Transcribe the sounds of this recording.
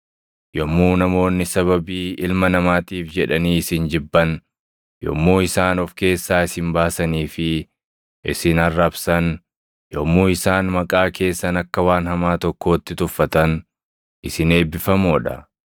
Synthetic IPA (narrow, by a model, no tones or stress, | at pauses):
jɔmːuːnɐmo̞ːnːɪsɐβɐbiːɪlmɐnɐmaːt̪iːfd͡ʒɛᶑɐniːɪsɪnd͡ʒɪbːɐn | jɔ̰mːoːɪsaːnɔfke̞ːsːaːɪsɪmbaːsɐniːfɪ | ʔɪsɪnɐrːɐbsɐn | jɔmːoːɪsaːnmɐkʼaːkʰe̞ːsːɐnɐkːɐwaːnhɐmaːt̪ɔkːo̞ːt̪ːɪt̪ʊfːɐt̪ɐn | ʔɪsɪneːbːɪfɐmoːᶑɐ̰